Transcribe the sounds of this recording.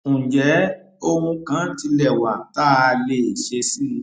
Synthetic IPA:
ũ˨d͡ʒɛ˨˦ | o˦hũ˧kã˨˦ti˧lɛ˦˨wa˨˦ta˦˧le˦˨ʃe˧si˦˨˧

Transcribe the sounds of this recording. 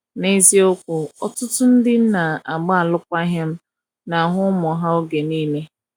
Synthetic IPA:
ne˦zi˦ʊ˦kʷʊ˨ɔ˦tʊ˦tʊ˦n̩˦dɪ˦na˨a˨ɡ͡ba˦a˨lʊ˦kʷa˦ɦɪ˦m̩˦ | na˨ɦʊ˦mɔ˨ɦa˦o˦ɡe˨niː˦me˦

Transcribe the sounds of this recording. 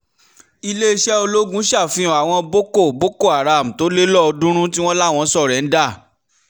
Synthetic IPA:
i˧le˦i˧ʃɛ˦o˧lo˦ɡũ˦ʃa˦˨fĩ˧ɔ̃˨a˨w̃ɔ̃˧bo˦ko˦˨bo˦ko˦˨a˨ɾa˨m̩˨to˨˦le˦lɔ˦ɔ˧dũ˦ɾ̃ũ˦ti˦w̃ɔ̃˦la˦˨w̃ɔ̃˧˦sɔ˦˨ɾɛ˨˦n̩˦da˦˨

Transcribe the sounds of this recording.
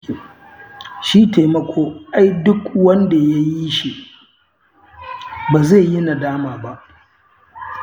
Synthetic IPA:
ʃiː˦teː˨mɐ˨kʷʰoː˦ʔa˦jdʊ˦kwɐ˦nda˨ja˦ji˦ʃi˨ʔ | baː˨ze˦˨ji˦na˨daː˦maː˨ba˦ʔ

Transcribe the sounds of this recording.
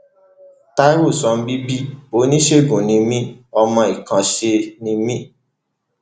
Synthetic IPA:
ta˦i˦wo˦˨sɔ̃˧m̩˦bi˦bi˦o˨˦nĩ˦ʃe˦˨ɡũ˨nĩ˧mĩ˦ɔ˧mɔ̃˧i˨kã˧ʃe˧nĩ˧mĩ˦

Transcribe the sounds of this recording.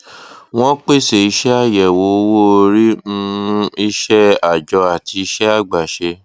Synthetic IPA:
w̃ɔ̃˦k͡pe˦˨se˨i˧ʃɛ˦a˦˨jɛ˨wo˨˦wo˦o˧ɾi˦nũ˦i˦ʃɛ˦a˨d͡ʒɔ˧a˨ti˧i˧˦ʃɛ˦a˦˨ɡ͡ba˨ʃe˧

